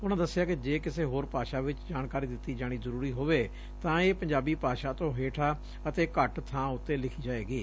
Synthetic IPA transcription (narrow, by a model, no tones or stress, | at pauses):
ʊnãːd̪əsːɪjaːkɪd͡ʒeːkɪseːɦoːɾpaːʃaːʋɪt͡ʃd͡ʒaːnkaːɾiːd̪ɪt̪ːiːd͡ʒaːɽ̃iːzəɾuːɾiːɦoːʋeː | t̪ãːeːpəɲd͡ʒaːbiːpaːʃaːt̪õːɦeːʈʰaː | ət̪eːkəʈt̪ʰãːʊt̪ːeːlɪkʰiːd͡ʒaːeːɡiː